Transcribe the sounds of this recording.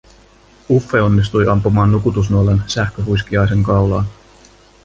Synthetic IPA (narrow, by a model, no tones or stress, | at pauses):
ufːe̞o̞nːis̬t̪ujʔɑmpumɑːnːukut̪us̬nuolensæhkøɦujsk̟iɑjs̬e̞ŋkɑwlɑːn